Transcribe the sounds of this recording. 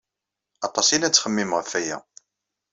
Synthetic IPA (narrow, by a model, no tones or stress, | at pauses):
ɑt̪ˤɑsˤilæt͡sːχəmːimʁəfæjæ̰